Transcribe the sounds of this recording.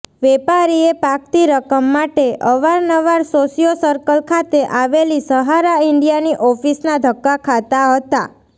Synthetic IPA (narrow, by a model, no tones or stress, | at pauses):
ʋɛpaɾiepak̚t̪iɾəkəmːaʈeʔəʋaɾnəʋaɾsosijosəɾkəlkʰat̪eʔaʋelisəɦaɾaɪɳɖijaniʔɔfisnad̪ʱəkːakʰat̪aɦət̪a̰